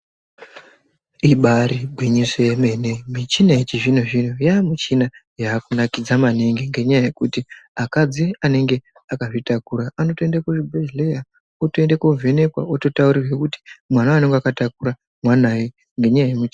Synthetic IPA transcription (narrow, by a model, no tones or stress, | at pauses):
iɓaɾiɡʱwiɲisejeme̞ne̞mit͡ʃinaet͡ʃiʐin̤oʐin̤ojaːmit͡ʃinajaːkunakid͡zamane̞ŋɡeŋɡe̞ɲajaje̞kutiakad͡ziane̞ŋɡe̞ | akaʐitakuɾaʔano̞toendakoʐibʱezleja | otoendako̞vʱe̞ne̞kwa̰oto̞tauɾirwekuti̥mwanaane̞ŋɡeakatakuɾa | mwanaje | ŋɡe̞ɲajajemut͡ʃi